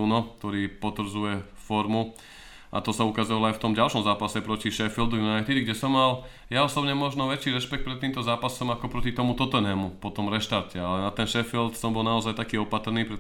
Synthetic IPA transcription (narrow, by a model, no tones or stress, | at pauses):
unɔk̚t̪ɔɾiːpɔt̪ʋɾ̩d͡zujɛ | fɔɾmu | ʔa̰t̪ɔsaukazɔʋalɔajft̪ɔmɟalʃɔmzaːpasɛpɾɔciʃɛfild̪ujunajt̪id̪ɡɟɛsɔmːal | jaɔsɔbɲɛmɔʒnɔʋɛt͡ʃiːɾɛʃpɛk̚t̪pɾɛt̪ːiːmt̪ɔzaːpasɔmakɔpɾɔcit̪ɔmut̪ɔt̪ɛnɛːmupɔt̪ɔmɾɛʃt̪aɾcɛalɛnat̪ɛnʃɛfilt̪sɔmbɔlnaɔzajt̪akiːɔpat̪rniːpɾɛ